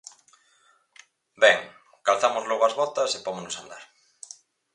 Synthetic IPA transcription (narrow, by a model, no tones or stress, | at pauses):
bɛŋ | kalθamʊzlɔɣoazβɔt̪ɐsepomonosand̪a̰ɾ